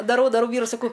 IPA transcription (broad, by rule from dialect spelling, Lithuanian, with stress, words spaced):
dɐˈrɐʊ dɐˈrɐʊ ˈʋʲiːrʊɪ sɐˈkɐʊ